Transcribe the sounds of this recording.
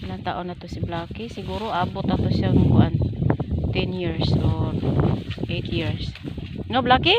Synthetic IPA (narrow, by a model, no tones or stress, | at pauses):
ʔɪlaŋt̪a̰ʔʊnat̪ʊsiblaːkɪsɪɡuɾoʔaːbʊt̪at̪ʊsjaŋkʊant̪ɛnjiɹsodʔet̪jiɹsŋablakɪ